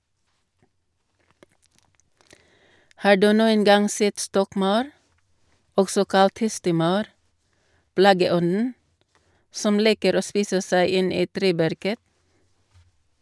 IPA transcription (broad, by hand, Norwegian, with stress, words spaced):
ˈhɑː ˈɖʉː ˈnuːən ˈɡɑŋ ˈsɛt ˈstɔkˌmɑʉɾ ˈɔɡsɔ ˈkɑlt ˈhɛstəˌmɑʉɾ ˈplɑːɡəˌɔnn̩ ˈsɔm ˈliːkəɾ ˈoː ˈspiːsə ˈsæɪ ˈɪn ˈiː ˈtɾeːˌbæɾkə